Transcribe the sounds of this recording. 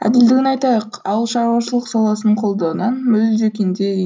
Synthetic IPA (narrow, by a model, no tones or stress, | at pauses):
æ̰d̪ɪld̪ɪɡʲɪnɑjt̪ɑjɑqɑwllˠʃɑɾuwɑʃəlˠəqsɑlˠɑsənɴqʰo̞lˠd̪ɑnɑnmɵzd͡ʒekʲend̪e